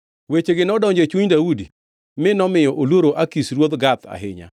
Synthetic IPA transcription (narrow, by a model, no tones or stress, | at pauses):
wet͡ʃeɡɪnɔdɔɲd͡ʒet͡ʃuɲdaudi | mɪnɔmɪjɔʔoloɾoʔakisɾwod̪ɡat̪a̰ɦɪ̰ɲa̰